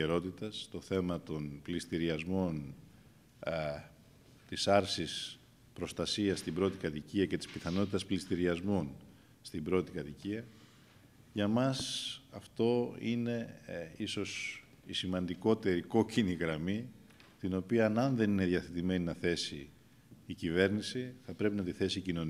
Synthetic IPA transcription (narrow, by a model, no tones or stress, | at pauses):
eɾo̞t̪it̪ɐst̪o̞θe̞mɐt̪o̞nplist̪iɾiɐzmo̞n | t̪isɐɾsis | pɾo̞st̪ɐsiɐst̪ibɾo̞t̪ikɐt̪iciɐce̞t̪i̥spiθɐno̞t̪it̪ɐsplist̪iɾiɐzmo̞n | st̪imbɾo̞t̪ikɐt̪iciɐ | ʝɐmɐsɐft̪o̞ine̞iso̞s | isimɐnd̪iko̞t̪e̞ɾiko̞ciniɣɾɐmi | t̪ino̞piɐnɐnðe̞nine̞ðʝɐθe̞t̪ime̞ninɐθe̞siː | cive̞ɾnisiθɐpɾe̞pinɐt̪iθe̞sicino̞n